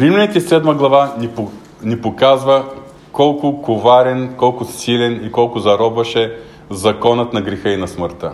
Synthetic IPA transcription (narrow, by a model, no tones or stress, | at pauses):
pɾimlʲɛnit̪isɛd̪məɡlˠɐvani | nipokazvə | kɔlˠkʊkovaɾɛnkɔlˠkʊsilʲɛnikɔlˠkʊzɐɾɔbvɐʃɛ | zɐkɔnət̪nɐɡɾɛxəinɐsməɾt̪ə̰